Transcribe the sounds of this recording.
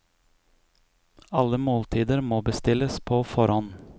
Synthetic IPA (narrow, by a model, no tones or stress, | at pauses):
ɑləmoːlt̪ʰiːd̪əɾmoːbəst̪ɪləspʰoːfɔɾɔn